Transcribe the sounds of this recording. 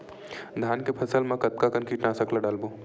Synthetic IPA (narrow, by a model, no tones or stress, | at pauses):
d̪ʱaːnkepʰɐsəlmãkɐt̪̚kakɐnkiːʈnasɐklaɖaːlbo